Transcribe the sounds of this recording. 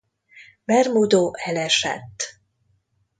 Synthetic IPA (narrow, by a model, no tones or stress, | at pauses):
bɛrmud̪oːʔɛlɛʃɛ̰t̪ː